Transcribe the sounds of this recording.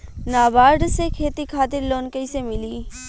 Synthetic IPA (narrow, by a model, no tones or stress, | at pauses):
naːbaːɾɖsekʰeːt̪ikʰaːt̪ɪɾloːnkəisemɪliː